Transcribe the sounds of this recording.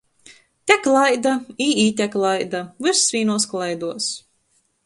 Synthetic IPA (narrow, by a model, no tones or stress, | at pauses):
t̪ʲɛklˠajd̪aiːiːt̪ʲɛklˠajd̪avɨɾsːvʲiːnuɔsklˠajd̪uɔs